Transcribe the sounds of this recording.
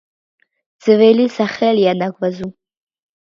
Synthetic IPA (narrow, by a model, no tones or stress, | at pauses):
d͡z̥ɨvejlisaχʲeljanaɡʷʼvazu